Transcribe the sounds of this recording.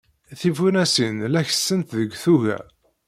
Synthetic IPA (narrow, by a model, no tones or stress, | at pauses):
θivunæsinlæçə̥sːənt̪ðəɡʷθuʝæ̰